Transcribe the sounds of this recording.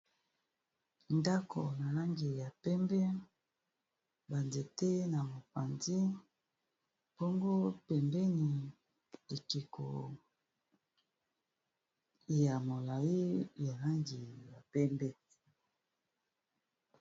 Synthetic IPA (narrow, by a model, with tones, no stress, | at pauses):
nda˦kʰo˨na˨la˦ŋɡi˨ja˨pɛ˦mbɛ˦ | ba˨nde˨te˦na˨mo˨pa˨ndi˦ | po˦ŋɡo˦pɛ˨mbɛ˦ni˨ | e˨ki˨ko̰˨ | ja˨mo˨la˨ji˦ja˨la˦ŋɡi˨ja˨pɛ˦mbɛ˦